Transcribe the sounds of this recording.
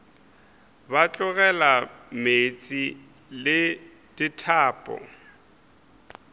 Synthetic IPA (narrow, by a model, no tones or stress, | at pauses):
bat͡ɬʼʊɣɛlamet͡sʼi | lɪ | d̥itʰaːpʼɔ̰